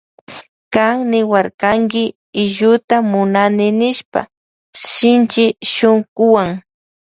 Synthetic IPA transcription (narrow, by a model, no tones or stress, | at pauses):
kaŋnɪwaɾkaŋkɪ | ɪʎʊt̪amʊnanɪnɪʃpa̰ | ʃɪnt͡ʃɪʃoŋkʊwaŋ